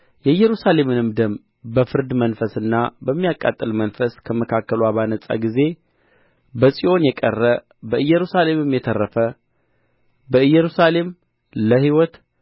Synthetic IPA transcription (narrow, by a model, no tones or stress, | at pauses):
jɛɨjːɛɾusale̞mɨnɨmd̪əm | bəfɨɾd̪mənfəsɨnːabəmːijakʼːa̰t̪ʼːɨlmənfəskʰəməkʰakːəlwaβanəsʼa̰ɡize̞ | bəsʼiʔo̞njɛkʼərːə | bəʔɨjːɛɾusale̞mɨmjɛt̪ʰərːəfə | bəɨjːɛɾusale̞m | ləhiwɔt̪